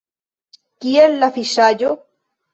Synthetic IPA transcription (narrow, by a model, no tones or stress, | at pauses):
kielːafiʃaʎo